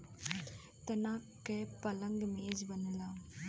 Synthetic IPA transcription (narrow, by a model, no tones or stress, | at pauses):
t̪ɐnaːkːepɐlɐŋɡmeːd͡ʒbɐnːɐlaː